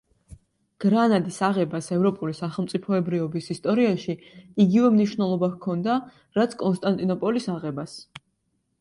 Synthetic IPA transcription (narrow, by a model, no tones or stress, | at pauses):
ɡ̥ɾanad̪isaʁɛbasɛvɾɔpʼulisaχɛlˠmt̪sʼipʰɔɛbɾiɔbisist̪ʼɔɾiaʃiiɡivɛmniʃvnɛlˠɔbakʰɔnd̪a | ɾat̪sʰkʼɔnst̪ʼant̪ʼinɔpʼɔlisaʁɛbas